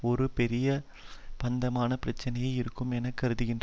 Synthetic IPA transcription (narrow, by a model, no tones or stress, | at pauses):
ɔɾɯpɛɾɪjɐ | pɐnd̪ɐmaːnɐpɪɾɐt͡ʃːɐnɐjɐɪɪɾɯkːɯmɛnɐkːɐɾɯðɯɣɪndr